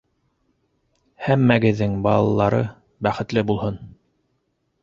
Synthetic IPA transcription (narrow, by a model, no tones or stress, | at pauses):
hæmːæɡɘ̆ðːɘŋbɑlˠɑlˠɑɾɤ | bæχɘ̆t̪lɘbulˠhɤn